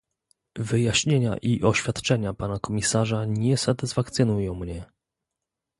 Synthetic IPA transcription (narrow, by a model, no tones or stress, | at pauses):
vɘjaɕɲeɲa̰ʔiʔɔɕfʲjat̪t͡ʂɛɲapanakɔmʲisaʐaɲɛsat̪ɘsfak̚t̪sɨnujɔ̃w̃mɲɛ